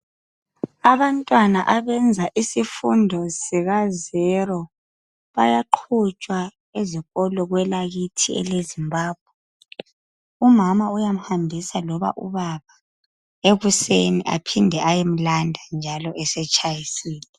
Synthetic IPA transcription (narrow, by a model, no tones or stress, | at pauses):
aβantʼwanaʔaβɛnd͡zʱaʔisifundʱɔsiɣazɛɾɔ | βajaǃʰut͡ʃʼwa | eziɣɔlɔɣwɛlaɣitʰiɛ̰lezimbʱaːb̥̚ʱwɛ | umamaujam̩hambʱisalɔβa̰ʔṵβaβa | eɣusenḭʔa̰pʰindʱɛʔajem̩landʱand͡ʒʱalɔʔɛsɛt͡ʃʼʰajisiːlɛ